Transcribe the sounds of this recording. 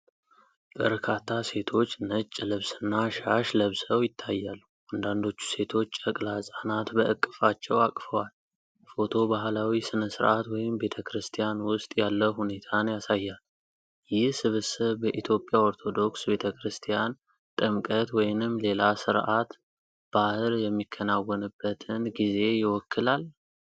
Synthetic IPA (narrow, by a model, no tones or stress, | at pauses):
b̥əɾkʰat̪ʰːase̞t̪ʰo̞t͡ʃːnət͡ʃʼːlɨβsɨnːaʃaʃləβsəwjɪt̪ʰːajːalː | ʔand̪and̪o̞t͡ʃːu̥se̞t̪ʰo̞t͡ʃːəkʼlasʼanat̪bəʔɨkʼːɨfat͡ʃːɛwakʼfəwal | fo̞t̪ʰo̞baɦlawisɨnəsɨɾʔat̪wɔjɪmbe̞t̪ʰəkɾɨst̪ʰijanwʊst̪ʼjalːəhune̞t̪ʰanjasajːal | jɪhsɨβɨsɨβbəʔit̪ʰjo̞pʼːjao̞ɾt̪ʰo̞d̪o̞ksbe̞t̪ʰəkɾɨst̪ʰijan | t̪ʼɨmkʼət̪wɔjnɨmːle̞lasɨɾʔat̪ | b̥ahɨljɛmːikʰːənawːənɨbːət̪ʰɨnɡize̞jɪwɔkʰːɨlal